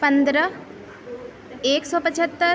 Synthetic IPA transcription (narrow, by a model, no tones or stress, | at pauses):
pə̃nd̪ɾə | eːksɔːpət͡ʃʰət̪ːə